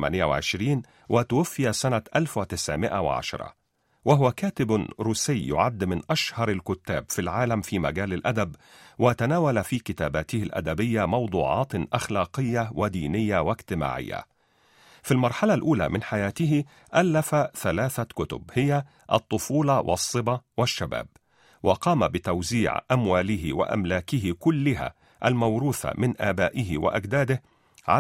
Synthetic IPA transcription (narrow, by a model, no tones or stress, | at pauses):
ma̰nɪjawɪ̰ʕɪ̰ʃɾiːn | wʔɪt̪ʊwafːɪjasanat̪ʔalfwɪt̪ɪsʕɪmɪʔa̰wɪ̰ʕa̰ʃɑ̰ɾˤɑ̰ | waɦʊwakaːt̪ɪbɾuːsɪjjʊ̰ʕad̪ːmɪnʔaʃhɑɾˤalkʊt̪ːaːbfilʕaːlamfiːma̰ɡaːlɪlʔad̪abwʔɪt̪anaːwalafiːkɪt̪a̰ːbaːt̪ɪhɪlʔa̰d̪æbɪjːamɑwd̪ˤuːʕɑ̰ːt̪ʔaxlɑːqɪjːawɪd̪iːnɪjːawɪɡt̪ɪma̰ːʕɪ̰jːa̰ | filmɑɾˤħalalʔuːla̰ːmɪnħajaːt̪ɪhɪ | ʔalːafaθalaːθakʊt̪ʊ̰bhɪja | ʔɑt̪ˤːʊfuːlɑwʔɑ̰sˤːɨbɑwaʃːaba̰ːb̚ | wʔɑqɑːmabɪt̪awziːʕʔamwaːlɪɦɪ̰wa̰ʔa̰mlaːkɪhɪkʊlːɪɦa̰ | ʔalmawɾuːfa̰mɪnʔaːbaːʔɪɦɪwa̰ʔaɡd̪aːd̪ɪh | ʕa